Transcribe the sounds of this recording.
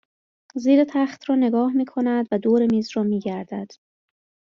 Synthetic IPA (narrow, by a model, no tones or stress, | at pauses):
ziːɾet̪ʰæχt̪ʰɾɒːne̞ɡɒːhmiːkʰo̞næd̪væd̪oːɾemiːzrɒːmiːɟæɾd̪æd̪̥